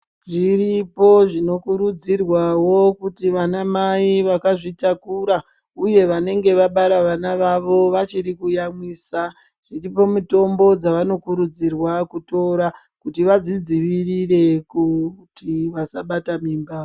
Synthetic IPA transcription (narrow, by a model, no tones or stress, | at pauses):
ʐiripo̞ʐino̞kuɾud͡zirwawo̞kutiʋanamaiʋakaʐitakuɾa | uje̞ʋane̞ŋɡe̞ʋaɓaɾaʋanaʋaʋo̞ʋat͡ʃiɾikujamwiːsa | ʐ̥iripo̞muto̞mbo̞d͡zaʋano̞kuɾud͡zirwakuto̞ɾa | kutiʋad͡zid͡ziʋirire̞kutiʋasaɓatamiːmba